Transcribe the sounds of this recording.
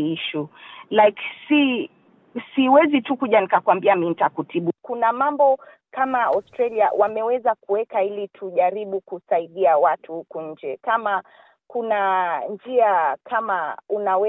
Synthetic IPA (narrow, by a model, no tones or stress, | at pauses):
iʃulajksi | siwɛzitukuʄanikakwambiamin̩takutiɓukunamambɔ | kamaɔstɾalia̰wʔamɛwɛzakuwɛkailitʰuʄaɾiɓukusaiɗiawatʰuhukuɲ̩d͡ʒɛkama | kunand͡ʒiakʰamaunawɛ